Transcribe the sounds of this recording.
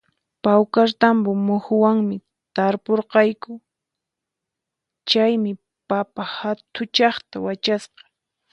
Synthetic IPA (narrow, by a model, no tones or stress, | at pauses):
pawkaɾt̪ambʊmʊhʊwaŋmɪ | t̪aɾpoɾqɑjkʊ | t͡ʃajmɪ | papahat̪ʰʊt͡ʃɑχt̪awat͡ʃasqɑ̥